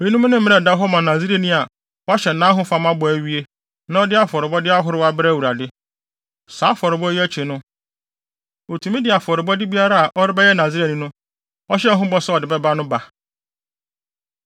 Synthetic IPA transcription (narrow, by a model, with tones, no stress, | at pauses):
o˨jĩ˦nũ˦nɪ̃˦m̩˦ɪ̃˦ɛ̃˨da˦ɦɔ˦mã˨nã˨zi˦ɾe˦˨nĩ˦a˨ | wɔ˦ɕɛ˨nã˦ɦʊ̃˦fa˨˦mã˦bɔ˨æ˨ɥi˦e˦ | nã˦ɔ˦dɪ˦a˦fɔ˨ɾɪ˨bɔ˦dɪ˦a˦ɦʊ˦ɾɪ˦wa˦bɪ˦ɾɛ˦˨wu˨ɾa˨dɪ˦ | saː˨˦fɔ˨ɾɪ˨bɔ˦ɛ˦æ˦t͡ɕʰi˨nʊ̃˦ | o˨tʰu˨mĩ˦dɪ˨a˨fɔ˨ɾɪ˨bɔ˦dɪ˦bi˦a˦ɾa˦a˨ʔɔ˦ɾɪ˦bɛ˦jɛ˦nã˨zi˦ɾe˦˨nĩ˨nʊ̃˦ | ɔ˦ɕɛ˦ɦʊ̃˦bɔ˦sɛ˦ɔ˨dɪ˨bɛ˦ba˦nʊ̃˦ba˨